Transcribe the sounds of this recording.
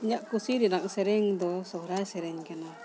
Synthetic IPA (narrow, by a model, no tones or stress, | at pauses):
ɲaʔkusiɾinaksɛɾɛŋd̪ɔsɔɾasɛɾɛŋkana